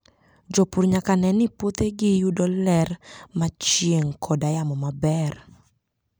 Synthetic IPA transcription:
d͡ʒopuɾɲakanɛnɪpwot̪eɡɪjudɔlɛrmat͡ʃjeŋkʰɔdajamɔmabɛr

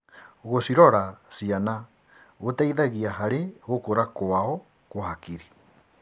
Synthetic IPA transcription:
oɣosiɾɔɾasiana | ɣotaiðaɣiaɦaɾeɣokoɾakoaɔ | koɦakiɾi

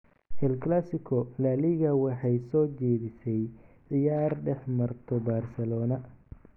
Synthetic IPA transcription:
hɛlkʰlasɪkʰɔlaːlɪɣɐwɑħɑjsɔːt͡ʃɛːðɪsɛjʕɪjaːrɖɛħmɐrt̪ʰɔbaːrsɛlɔːnɐ

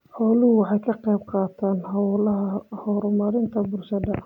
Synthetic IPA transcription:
ħɔːlɪhʊwɑħɑjkʰɐqɛjb̚qɑːt̪ʰaːnɦɐwlɐɦɐhɔɾʊmɐɾɪnt̪ʰɐbʊrʃɐd̪ɐ

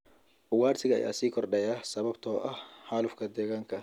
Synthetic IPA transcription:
ʊwaːrt̪ʰɪɣɐɛ̰ja̰siːkʰɔrɖɛjaːsɐβɐbt̪ʰɔːʔɐhħaːlʊfkʰɐd̪ɛːɣaːŋkʰɐ

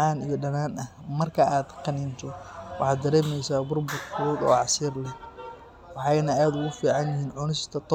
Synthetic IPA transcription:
ɑːnijɞɖɐnaːnɐhmɐrkʰɐaːd̪qɑnɪnt̪ʰɔwɑ̰ħɑːd̪d̪ɐɾɛːmɛjsaːbʊrbʊt̪kʰuːd̪ɔ̰ːɑsiːrlɛ | wɑħɑjnɐaːd̪ʊɣʊfiːʕɑnjɪhiːnʕʊnɪst̪ʰɐt̪ʰ

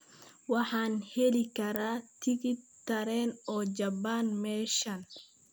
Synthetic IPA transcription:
wɑħɑːnhɛlɪkʰɐɾaːt̪ʰɪɣɪt̪ʰːɐɾɛːnɔːd͡ʒɐbaːnmɛːʃɐn

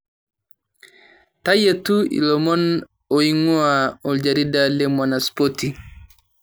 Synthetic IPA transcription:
tajetuḭlɔmɔn | oiŋuaɔld͡ʒaɾidalemɔnaspoti

